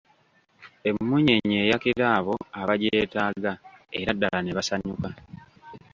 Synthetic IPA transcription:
e̞mːuɲeɲe̞ːjakiɾaːβo̞aβaɟeːtaːɡae̞ɾadːalaneβasaɲuka

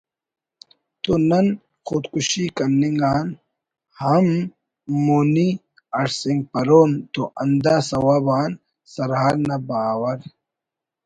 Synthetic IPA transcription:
t̪onɐn | xud̪kuɕikɐnːiŋɡaːn | hɐmː | oni | ɐɾsiŋɡ̚pɐɾoːnt̪oʔɐnd̪aːsɐwaːbaːn | sɐɾɦaːɾnɐbaːwɐɾ

